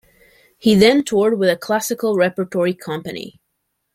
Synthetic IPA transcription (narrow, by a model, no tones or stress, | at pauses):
hiðɨ̃ntʰɔɹd̚wɪðɨkʰl̥æsɨkl̩ˠɹɛpə˞tʰɔɹikʰʌ̃mpɨnḭ